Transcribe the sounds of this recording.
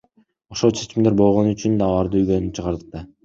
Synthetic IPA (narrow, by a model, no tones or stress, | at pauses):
o̞ʃot͡ʃʰe̞t͡ʃimd̪e̞ɾbo̞lˠʁo̞nyt͡ʃynd̪ɑːlˠɑɾd̪ɯyjɡønyt͡ʃʰɯʁɑɾd̪ɯq̚t̪ɑ